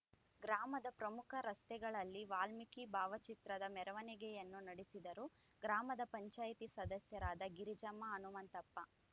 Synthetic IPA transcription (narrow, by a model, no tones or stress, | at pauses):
ɡɾaːmɐd̪ɐpɾɐmukʰɐɾɐst̪ɛɡɐɭɐlːiʋaːlmikibaːʋɐt͡ʃit̪ɾɐd̪ɐmɛɾɐʋɐnɛɡɛjɐnːunɐɽisid̪ɐɾu | ɡɾaːmɐd̪ɐpɐɲt͡ʃaːjit̪isɐd̪ɐsjɐɾaːd̪ɐɡiɾid͡ʒɐmːɐɐnumɐnt̪ɐpːɐ